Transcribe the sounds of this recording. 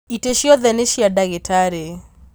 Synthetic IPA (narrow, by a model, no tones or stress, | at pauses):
iteʃiɔðɛneʃiadaɣɪtʰaɾe